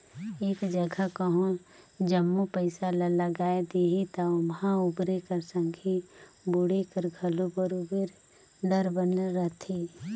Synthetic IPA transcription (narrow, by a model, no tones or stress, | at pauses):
eːkd͡ʒəɡʱakəɦõ | d͡ʒəmːupəɪsalələɡaːed̪eɦit̪aʊmɦãʊbɾekəɾsə̃ŋɡʱi | bʊɽekəɾɡʱəlobəɾubəɾ | ɖəɾbənɾət̪ʰiː